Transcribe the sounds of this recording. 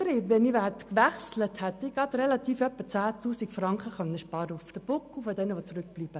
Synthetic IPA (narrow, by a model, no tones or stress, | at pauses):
ɾiːʋɛniʋæt̪kʋɛχslət̪hɛt̪ːɪɡɑt̪ɾɛlɑt̪iːfœpːət͡sæːt̪uːsiɡfrɑŋχəχœnəʃpɑːɾəufd̥̪əb̥ʊkːufɔd̪ɛnəʋot͡sɾʏk̚b̥liːb̥ə